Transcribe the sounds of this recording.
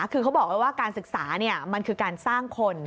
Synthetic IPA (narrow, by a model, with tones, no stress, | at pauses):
kʰɯː˧kʰa˦˥wbɔː˨˩k̚la˧˩waː˥˩kaː˧nsɯ˨˩k̚saː˩˦ni˥˩ɐma˧nkʰɯː˧kaː˧nsaː˥˩ŋkʰo˧n